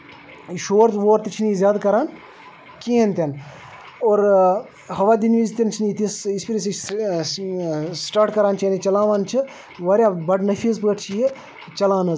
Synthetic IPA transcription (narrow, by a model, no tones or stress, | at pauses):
ʃoːɾt̪ʋoːɾt̪it͡ʃʰinizʲjaːd̪kɐɾaːn | kiːɐnt̪ʲɐn | oːɾ | hɐʋaːd̪inʋizt̪ʲɐnt͡ʃʰnit̪isispiɾʲis̬i | sʈaːɾʈkɐɾaːnt͡ʃʰjɐːnit͡ʃɐlaːʋaːnt͡ʃʰi | ʋɐɾʲjabɐɖnɐfʰiːzpɐɡɐʈt͡ʃʰije | t͡ʃɐlaːnɐz